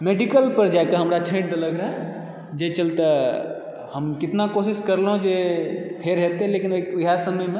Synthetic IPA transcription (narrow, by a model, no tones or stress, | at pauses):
meɖikəlpəɾd͡ʒajkeɦəmɾat͡ʃʰə̃ʈd̪ələɡɾaɦ | d͡ʒet͡ʃəlt̪ə | həmkit̪nakosiskəɾleɦũd͡ʒepʰeɾɦet̪elekinouɦasəməjme